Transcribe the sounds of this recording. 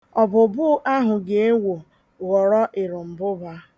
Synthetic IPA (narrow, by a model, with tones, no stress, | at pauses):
ɔ˨bʊ˨bʊ˦ʔa˦ɦʊ˨ɡe˨e˦wo˨ | ɣɔ˨ɾɔ˦ʔɪ˨ɾʊ˨m̩˨bʊ˦ba˦